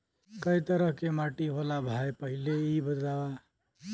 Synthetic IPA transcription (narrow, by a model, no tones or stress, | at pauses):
kəit̪əɾəɦkemaʈiɦolabʱajpəɦileibəd̪lawa